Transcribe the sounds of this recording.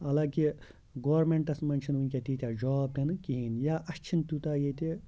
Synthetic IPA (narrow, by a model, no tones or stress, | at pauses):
ɐlaki | ɡoːɾmeɳʈɐsmɐnt͡ʃʰinunʲkʲat̪it̪ʲad͡ʒɔːb̚t̪ɐnɨkiɦinjaːʔɐst͡ʃʰint̪ut̪ajet̪e